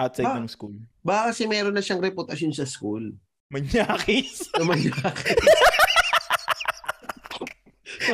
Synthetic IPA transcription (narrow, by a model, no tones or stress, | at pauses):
ʔat̪sɐjnɐŋskulbaːkɐkɐsɛmɛːɾonːɐʃaŋɾɛpʊt̪ɐsjonsɐskul | mɐɲjaːkɪsɐmɐɲːaːk